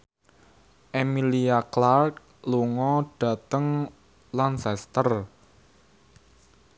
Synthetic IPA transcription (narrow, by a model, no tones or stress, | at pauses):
ʔemiliaklark̚ | luŋɔɖ̥ä̤t̪əŋ | lansɛst̪ər